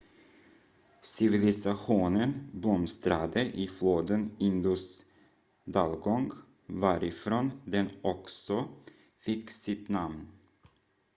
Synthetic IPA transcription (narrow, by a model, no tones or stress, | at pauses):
sɪvɪlɪsaɧuːnənblɔmst̪ɾad̪əʔɪfloːd̪ənɪnd̪ʊs | d̪ɑːlɡɔŋɡ | vaɾɪfɾoːnd̪ɛnɔksɔ | fɪkːsɪt̪namn